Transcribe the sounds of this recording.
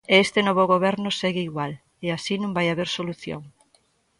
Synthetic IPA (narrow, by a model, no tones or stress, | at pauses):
eest̪enɔβoɣoβɛɾnoseɣɪiɣwal | easinũmbajaβeɾsoluθjo̰ŋ